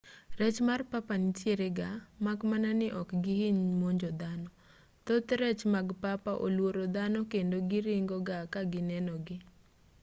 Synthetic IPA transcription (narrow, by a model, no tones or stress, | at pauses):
ɾɛt͡ʃmarpapanɪt͡ʃjeɾeɡamakmananɪʔɔkɡɪhiɲmoɲd͡ʒɔd̪anɔ | t̪ot̪ɾɛt͡ʃmaɡpapaʔo̰lwoɾod̪anɔkendoɡɪɾɪŋɡɔɡakaɡɪnɛnɔɡɪ